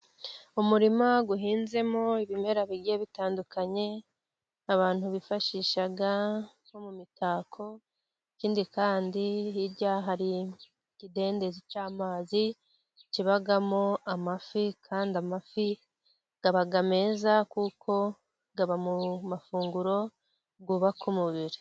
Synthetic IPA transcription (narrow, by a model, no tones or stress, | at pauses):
umuɾimaɡuɦiːnze̞mo̞iβime̞ɾaβiɡijeβitaːndukaɲe̞ | aβaːn̥huβifaʃiʃaɡa | ho̞mumitaːkʰo̞ | iciːndikaːndiiɾɟaɦaɾi | kide̞ːnde̞zicaːmaːzi | ciβaɡamoamafikʰaːndiamafi | ɡ̥aβaɡame̞ːzakukʰo̞ | ɡaβamumafuːŋɡuɾo̞ | ɡuβakʰumuβiɾi̥